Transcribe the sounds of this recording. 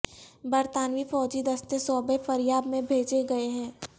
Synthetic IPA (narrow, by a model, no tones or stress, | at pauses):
bɐɾt̪aːnʋifɔːd͡ʒid̪ɐst̪esɔːbefɐɾjaːb̪mẽbʱeːd͡ʒeɡɐeɦɛ̃ː